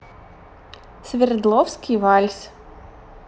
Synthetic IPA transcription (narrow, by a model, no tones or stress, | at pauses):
sʲʋʲɪɾd̪lˠɔwsʲkɪjʋɑlʲsʲ